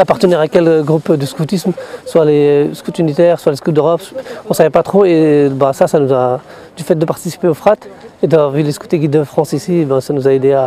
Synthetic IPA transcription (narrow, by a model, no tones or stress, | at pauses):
apaʁt̪ənɛʁakʲɛlɡʁupd̪əskut̪ismswaleskut̪ynit̪ɛʁswaleskutd̪øʁɔpɔ̃savɛpat̪χoebasasanuza | d̪yfɛt̪̚d̪əpaʁt̪isi̥peofχat̪ed̪avʁvilesko̥t̪eɡʲid̪d̪əfχɑ̃sisibɛ̃sanuzaed̪ea